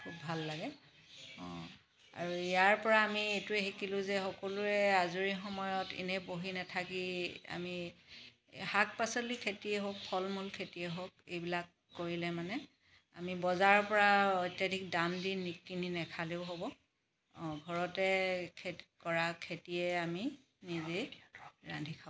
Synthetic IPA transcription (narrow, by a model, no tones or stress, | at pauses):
kʰubːʱalːaɡɛ | ɔ̰̃ | a̰ɹuijaɹpɔɹaːmietuɛxikilʊ̃zɛxɔkɔluɛazuɹixɔmɔjɔtḭnɛboɦinatʰakia̰mi | hak̚pasɔlikʰetiɛɦok̚pʰɔlmulkʰetiɛɦok̚ejbilakːoɹilɛmanɛ | a̰mibɔzaɹɔpɔɹaɔjtjadʱik̚dandinːikːininɛkʰaleʊɦobɔ | ɡʱɔɹɔtɛkʰekɔɹakʰetiɛami | nizeɹandʱikʰa